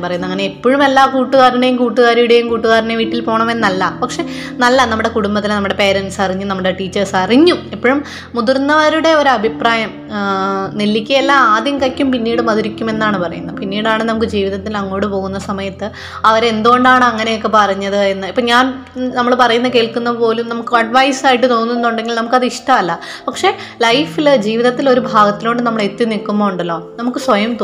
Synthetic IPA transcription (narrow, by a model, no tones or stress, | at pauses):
pɐrɐjunːɐŋːɐneipːoːɻume̞lːaːkuːʈːuɣaːɾiɳejumkuːʈːuɣaːɾijuɽe̞jumkuːʈːuɣaːɾineʋiːʈːilpo̞ːɳɐmenːnːɐlːɐpɐkʂe̞nɐlːɐnɐmːuɽe̞kuɽumbɐt̪ːilnɐmːuɽe̞pe̞ːɾɐnsɐriɲːumnɐmːuɽe̞ʈiːt͡ɕːɐrsɐriɲːumipːoːɻumː | ud̪urnːɐʋɐɾuɽe̞oɾuɐbʱipraːjɐm | nelːikʲːɐelːaːaːd̪jɐmkɐkʲːumpinːiːɽɨmɐðuɾikʲːume̞nːaːɳɨpɐrɐ̰junːɐpinːiːɽaːɳɨnɐmuk̬ːɨd͡ʑiːʋiðɐt̪ːilɐŋːo̞ːɽɨpo̞ːɣunːɐsɐmɐjɐt̪ːɨ | ɐʋɐɾe̞nd̪uɣo̞ɳɖaːɳɨɐŋːɐne̞jokːe̞pɐrɐɲːɐðɨe̞nːɨipːoːɲaːn | nɐmːɐɭpɐrɐjunːɐke̞ːɭkunːɐðɨpo̞ːlumnɐmukːɨɐɖʋɐjsaːjiʈːɨt̪o̞ːnːuenːuɳɖe̞ŋɡilnɐmukːɐðɨiʂʈɐmɐlːɐ | pɐkʂe̞ | lɐjfild͡ʑiːʋiðɐt̪ːilo̞ɾubʱaːɡɐt̪ːiloːɳɖɨnɐmːɐɭet̪ːinikːumːoːuɳɖɐlːo̞ːnɐmukːɨsʋɐjɐmt̪o